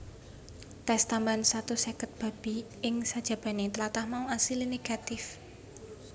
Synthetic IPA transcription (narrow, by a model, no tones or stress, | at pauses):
t̪ɛst̪ambansat̪usɛkət̪̚b̥a̤b̥i | ɪŋsad̥ʒ̥a̤b̥a̤net̪əlat̪ahmauasilineɡ̥a̤t̪ɪf